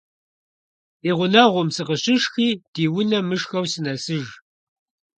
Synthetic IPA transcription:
iːʁʷʊnɐʁʷʊmsɨqəɕʼɪʃxiːd̥iːwʊnɐmɨʃxɐwsɨnɐsɨʒ

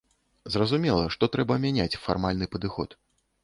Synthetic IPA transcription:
zrɐzumʲɛlˠɐʂt̪ɔt̪ɾɛbɐmʲɛnʲat͡sʲfa̰rmalʲnɨpɐd̪ɨxɔt̪

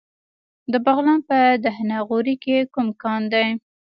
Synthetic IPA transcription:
d̪əbaɣlɑnpəd̪aɦnaɣoɾikekumkɑnd̪aj

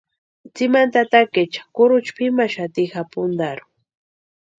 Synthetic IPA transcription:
t͡simant̪at̪aket͡ʃḁkʊɾʊt͡ʃpimaʃat̪ixapʊnd̪aɾʊ̥

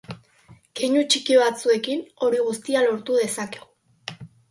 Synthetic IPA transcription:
ke̞ɲut͡ʃikioβat͡sue̞kino̞ɾiɣust̪ialo̞ɾt̪uðe̞sake̞ɣu

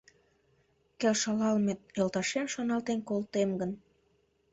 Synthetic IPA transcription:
kelʃɑlɑlmejəlt̪ɑʃemʃɑnɑlˠt̪enkolˠt̪emɡən

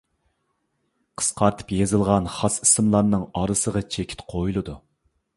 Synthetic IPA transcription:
qʰə̥sqʰɑɾt̪ʰɨ̥pjezɨlˠʁɑnχɑsi̥sɨmlˠɑɾnɨŋɑɾɨsəʁɑt͡ʃʰekʲʰi̥t̪qʰojulˠɨd̪u

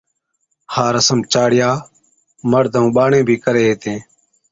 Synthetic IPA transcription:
haːɾəsəmt͡ʃaːɽɪjaː | məɾd̪ʱəũːɓaːɳẽːbʱiːkəɾeːɦeːt̪ẽː

